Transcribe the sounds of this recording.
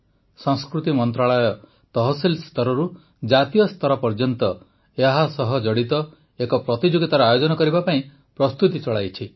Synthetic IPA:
sɔ̃ŋskɾut̪imɔnt̪ɾaɭɔjɔ | t̪ɔɦɔselst̪ʰɔɾɔɾu | d͡ʒat̪ijɔst̪ʰɔɾɔpɔɾd͡ʒɔnt̪ɔ | eɦasɔɦɔd͡ʒɔɽit̪ɔ | ekɔpɾɔt̪id͡ʒoɡit̪aɾɔajod͡ʒɔnɔkɔɾibapaĩ | pɾɔst̪ut̪it͡ʃɔɭajt͡ʃʰi

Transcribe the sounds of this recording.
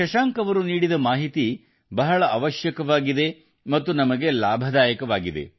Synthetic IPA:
ɐʃaːŋkɐʋɐɾuniːɽid̪ɐmaːɦit̪i | bɐɦɐɭɐʔɐʋɐʃjɐkɐʋaːɡid̪e̞ | mɐt̪ːunɐmɐɡe̞laːbʱɐd̪aːjɐkɐʋaːɡid̪e̞̰

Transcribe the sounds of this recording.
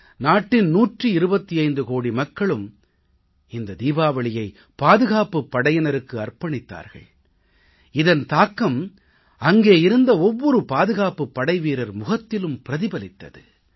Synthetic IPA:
naːʈːɪnnuːʈrɯɪɾɯbɐt̪ːiɐɪnd̪ɯkoːɽimɐkːɐɭɯm | ɪnd̪ɐd̪iːʋaːʋɐɭɪjɐɪ | paːðɯɣaːpɯpːɐɽɐjɐnɐɾɯkːɯɐrpɐɳɪt̪ːa̰ːɾɣɐ̰ɭ | ɪðɐnt̪aːkːɐm | ɐŋɡeːɪɾɯnd̪ɐɔʋːɔɾɯpaːðɯɣaːpɯpːɐɽɐɪʋiːɾɐɾmʊɣɐt̪ːɪlɯmpɪɾɐðɪbɐlɪt̪ːɐ̰ðɯ̰

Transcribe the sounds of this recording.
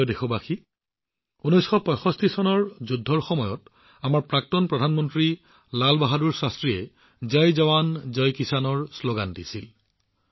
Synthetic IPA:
ɔdexɔbaxi | unɔjsxɔpɔjxɔstisɔnɔɹzudʱːɔɹxɔmɔjɔt | amaɹpɹak̚tɔnpɹɔdʱanmɔntɹi | lalbaɦaduɹsastɹijɛ | zajzawanzɔjkisanɔɹsloɡandisil

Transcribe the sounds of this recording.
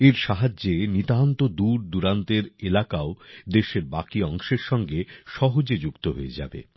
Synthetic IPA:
eɾʃaɦad͡ʑːenit̪ant̪od̪uɾd̪uɾant̪eɾelakaod̪eʃeɾbakiɔŋʃeɾʃɔŋɡeʃɔɦod͡ʑed͡ʑukt̪oɦoed͡ʑa̰bḛ

